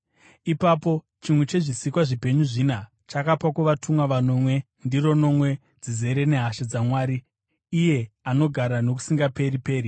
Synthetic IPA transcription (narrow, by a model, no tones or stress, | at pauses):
ipaːpo̞ | t͡ʃimwe̞t͡ʃe̞ʐisikwaʐipe̞ɲuʐina | t͡ʃakapakuʋatumwaʋano̞mwe̞ | ndiɾo̞no̞mwe̞ | d͡zize̞ɾe̞ne̞ɦaʃed͡zamwaːɾiː | je̞ano̞ɡʱaɾano̞k̬u̥siŋɡape̞ɾipe̞ːri